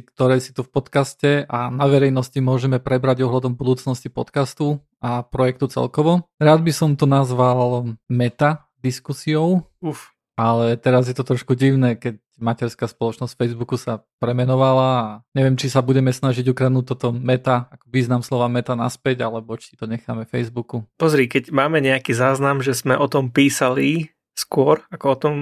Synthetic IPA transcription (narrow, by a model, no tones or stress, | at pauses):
kt̪ɔɾɛːsi̥t̪ufpɔt̪kascɛʔanaʋɛɾɛjnɔscimʊɔʒɛmɛpɾɛbɾaɟɔɦlad̪ɔmbud̪uːt͡snɔscipɔt̪kast̪u | apɾɔjɛk̚t̪ut͡sɛ̰lkɔʋɔɾaːd̪bisɔmt̪ɔnazʋalmɛt̪a | d̪iskusiɔʊux | ʔalɛt̪ɛɾazjɛt̪ɔt̪ɾɔʃkuɟiʊnɛːkɛc | macɛɾskaspɔlɔt͡ʃnɔsʲfɛjzbukusapɾɛmɛnɔʋalaaɲɛʋɛmt͡ʃisabuɟɛmɛsnaʒiɟukɾad̪nut̪̚ɔt̪ɔmɛt̪aakɔ̥ʋiːznamslɔʋamɛt̪anaspɛɟalɛbɔt͡ʃi̥it̪ɔɲɛxa̰ːmɛfɛjzbukupɔzɾikɛcmaːmɛɲɛakizaːznamʒɛzmɛʔɔt̪ɔmpiːsali | skʊɔɾakɔɔt̪ɔm